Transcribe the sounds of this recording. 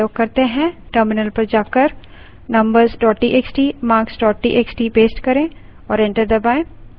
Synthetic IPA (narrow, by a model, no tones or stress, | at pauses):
joːɡ̚kɐɾt̪eɦɛ̃ʈəːɾmɪnəlpɐɾd͡ʒaːkəɾ | nɐ̃mbəɾzɖɔːʈːiʔeksʈiːmaːksɖɔːʈʈːiʔeksʈipeːsʈkɐɾẽ | ɔːɾɛ̃ɳʈəɾd̪ɐbaːẽ